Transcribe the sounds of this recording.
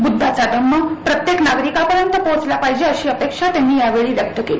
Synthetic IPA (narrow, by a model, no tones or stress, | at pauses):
bud̪ʱːat͡sad̪əmːəpɾət̪jeknaɡɾikapəɾjənt̪əpot͡slapaɦid͡ʑeəɕiːəpekʂat̪janːiːjaʋeɭiːʋjək̚t̪əkeli